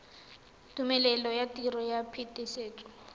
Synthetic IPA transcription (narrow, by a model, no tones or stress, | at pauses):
tʼumɛlɛlɔjatʼirɔjapʰitʼiseːtʼɔ̥